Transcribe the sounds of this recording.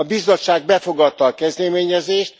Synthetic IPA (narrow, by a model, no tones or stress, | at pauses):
ɒbizo̞tt͡ʃːʃaːɡ̚bɛfo̞ɡɒt̪ːɒːkɛzd̪ɛmeːɲɛzeːʃt̪